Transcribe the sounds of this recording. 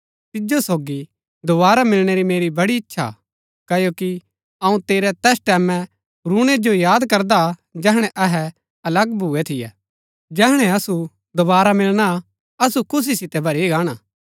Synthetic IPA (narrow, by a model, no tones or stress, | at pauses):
t̪ɪd͡ʒosoːɡi | d̪ʊbaːɾamɪlɽ̃eɾimeːɾibɐɽiɪtːʃʰa̰ | kɐjoːki | ɐũt̪eːɾɛt̪ɛːsʈɛːmɛ̃ | ɾuɽ̃ed͡ʒojaːd̪kɐɾd̪ad͡ʒɛɦɽ̃ɛ̃ʔɐɦɛ | ɐlɐɡbʱuɛt̪ʰɪjɛ̰ː | d͡ʒɛːɦɽ̃ɛɐsu | d̪obaːɾamɪlɽ̃a | ɐsukʰʊs̬isɪt̪ɛbʱɐɾeɡaːɽ̃aː